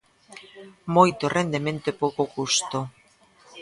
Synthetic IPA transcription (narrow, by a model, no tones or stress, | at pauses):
mojt̪orʔend̪emẽnt̪epokokust̪o